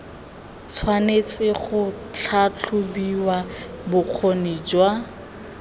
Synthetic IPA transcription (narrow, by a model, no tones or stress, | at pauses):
t͡sʰwanet͡sɪχʊ | t͡ɬʰat͡ɬʰʊbiwabʊq͡χʰonid͡ʒwa